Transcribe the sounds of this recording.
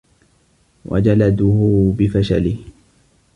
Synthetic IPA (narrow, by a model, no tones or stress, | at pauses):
wʔa̰d͡ʒalad̪ʊhʊbɪfaʃalɪh